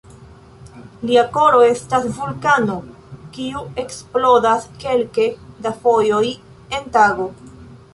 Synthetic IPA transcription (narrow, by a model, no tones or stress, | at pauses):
liako̞ɾo̞e̞stasvulkano̞ | kiue̞ksplo̞daske̞lkedafo̞jo̞j | e̞ntaɡo̞